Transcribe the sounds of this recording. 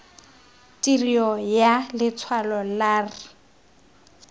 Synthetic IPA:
tʼiriɔjalɪt͡sʰwalɔlaːrɪ

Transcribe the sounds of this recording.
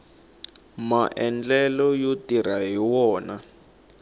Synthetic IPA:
maʔɛnd͡ɮɛlɔjotiɾaɦiwɔːna

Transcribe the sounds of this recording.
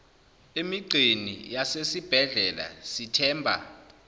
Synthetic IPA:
emiǀʱinḭjasesib̥ʱɛɮɛla̰sitʰɛːmbʱa̰

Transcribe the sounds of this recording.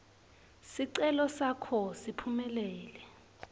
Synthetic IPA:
siǀɛlɔsakʰɔsipʰumɛlɛːlɛ

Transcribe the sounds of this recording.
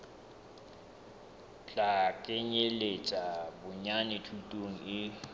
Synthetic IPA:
t͡ɬakʼeɲelet͡ʃʼabʊɲanɪtʰutʼoŋ̩ɪ

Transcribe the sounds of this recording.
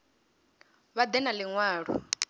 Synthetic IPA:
βad̪ɛnaliŋwaːɺṵ

